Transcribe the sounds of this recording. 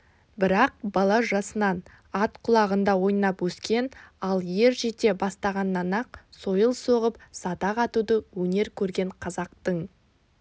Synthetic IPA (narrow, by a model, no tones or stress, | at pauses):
bɪɾɑq̚bɑlˠɑʒɑsənɑn | ɑt̪qʰʊlˠɑʁənd̪ɑwo̞jnɑpwɵskʲe̞nɑlˠje̞ɾʒet̪e̞bɑst̪ɑʁɑnːɑnɑq̚so̞jəlˠso̞ʁəp̚sɑt̪ɑʁɑt̪ud̪əwɵne̞ɾkʲʰɵɾɡʲe̞ɴqʰɑzɑqt̪əɴ